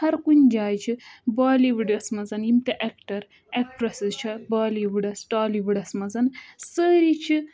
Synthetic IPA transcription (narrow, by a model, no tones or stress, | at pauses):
hɐɾkunʲd͡ʒaːjt͡ʃʰibaːliʋiɖɐsmɐzɐnimt̪eʔekʈɐɾ | ek̚ʈɾɐsizt͡ʃʰɐbaːliʋuɖɐsʈaːliʋuɖɐsmɐzɐnsəːɾit͡ʃʰi